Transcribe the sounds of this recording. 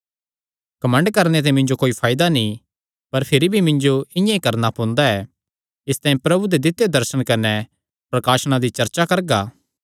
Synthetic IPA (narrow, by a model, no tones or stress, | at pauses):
kɐmə̃ɳɖkɐɾnet̪̬emɪ̃ɲd͡ʒokoːipʰaːɪd̪anĩ | pɐɾpʰɪɾibʱimɪ̃ɲd͡ʒoɪ̃jãikɐɾnapõːnd̪aɛː | ɪst̪aːĩpɾɐbud̪ed̪ɪt̪ːed̪ɐɾʃəɽ̃kɐnɛ | pɾɐkaːʃɽ̃ad̪it͡ʃɐɾt͡ʃakɐɾɡaː